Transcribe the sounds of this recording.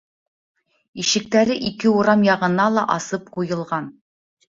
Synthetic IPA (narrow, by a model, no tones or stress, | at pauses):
iʃɘ̆k̚t̪æɾɘʔikɘuɾɑmjɑʁɤ̆nɑlˠɑʔɑsɤp̚qujɤ̆lˠʁɑn